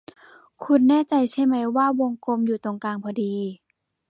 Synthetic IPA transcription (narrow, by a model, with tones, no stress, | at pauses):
kʰu˧nːɛː˥˩˨t͡ɕa˧jsʰa˧˥˩ma˨˦jwaː˥˩wo˧ŋko˧mjuː˨˩t̪o˧ŋkaː˧˩ŋpʰɔː˧diː˧